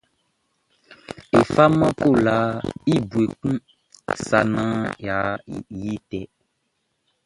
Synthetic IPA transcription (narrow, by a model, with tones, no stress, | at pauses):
e˨fa˦mã˦ko˦˨la˨˦i˦bu˨e˨kũ˦˨ | sa˨nã˦ja˨ji˦tɛ˨